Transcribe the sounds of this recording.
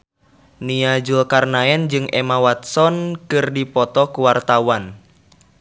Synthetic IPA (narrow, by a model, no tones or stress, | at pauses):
niad͡ʒulkarnaɛnd͡ʒɨŋʔɛmawat̪̚sɔnkɨrdipɔt̪ɔkuwart̪awan